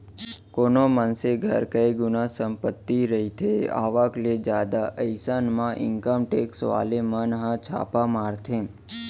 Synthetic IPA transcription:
konomanseɡʱə̰ɾkəjɡunasəmpət̪ːiɾəɦit̪ʰea̰ʋakled͡ʒad̪aʔəjsanmãʔɪ̰ŋkəmʈeksʋa̰lemənɦə̃t͡ʃʰa̰pamaɾt̪ʰe

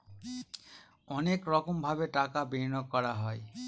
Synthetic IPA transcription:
ɔnekɹɔkɔmbʱabeʈakabiɹnɔkːɔɹaɦɔj

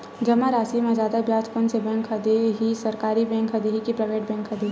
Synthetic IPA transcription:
d͡ʒɐmaɾaːsimẽzaːd̪abjaːt̪pʊnsebɛ̃ːŋkɦɐd̪eɦisɐɾkaːɾibɛ̃ːŋkɦɐd̪eɦikipɾɐjʋeːʈ̚bɛ̃ːŋkɦɐd̪e

